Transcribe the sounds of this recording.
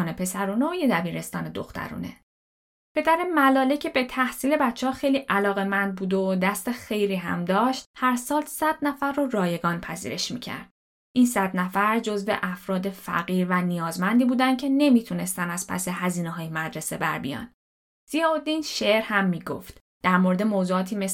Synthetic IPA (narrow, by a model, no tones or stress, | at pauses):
nepʰe̞sæɾuːneojed̪æbiːɾe̞st̪ɒːne̞d̪o̰xt̪ʰæ̰ɾṵːnḛ | pʰe̞d̪æɾe̞mælɒːlecʰe̞bet̪ʰæhsiːle̞bæt͡ʃʰːehɒːxe̞jliːʔælɒːɣe̞mænd̪̚buːd̪od̪æst̪e̞xe̞jɾiːɦæ̰md̪ɒːʃt̪hæɾsɒːlsæd̪̥næfæɾːorɒːje̞ɡɒːnpʰæzḭːɾe̞ʃmḭcʰæ̰ɾd̪̥ | ʔinsæd̪næfæɾd͡ʒo̞zvḛʔæfɾɒːd̪e̞fæ̰ɣiːɾvænijɒːzmænd̪iːbuːd̪ænd̪̚cʰe̞ne̞miːt̪ʰune̞st̪ænæz̥pʰæ̰se̞ɦæziːneɦɒːjemæd̪ɾe̞se̞bæ̰ɾbḭjɒ̰ːn | z̥ijeod̪inʃeɾhæmːiːɡo̰ft̪ | d̪̥æɾmoɾe̞d̪e̞moːzuːɒːt̪ʰiːme̞s